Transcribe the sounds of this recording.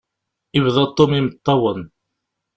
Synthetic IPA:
ivðˤɑt̪ˤːomimət̪ˤːɑwən

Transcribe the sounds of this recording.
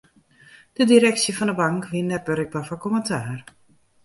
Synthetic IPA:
d̥ədiɾɛksjəfɔndəbaŋkʋindɛrbøɾɪk̚bafɔkoməntʰaːr

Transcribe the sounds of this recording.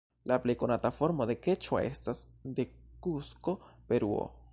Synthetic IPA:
laple̞jko̞natafo̞ɾmo̞d̪e̞ke̞t͡ʃo̰e̞̰stasd̪e̞kusko̞pe̞ɾuo̰

